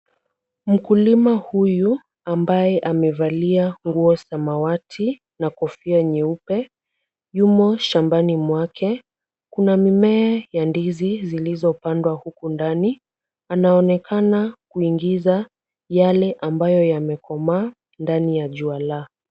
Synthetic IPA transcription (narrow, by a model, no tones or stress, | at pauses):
m̩kulimahuju | ambajɛʔamɛvaliaŋɡuɔsamawatʰi | nakɔfiaɲɛupɛ | jumɔʃambanimwakʰɛ | kunamimɛːjandizizilizɔpandwahukundani | anaɔnɛkʰanakuiŋɡiza | jalɛʔambajɔjamɛkʰɔma | ndanijaʄuala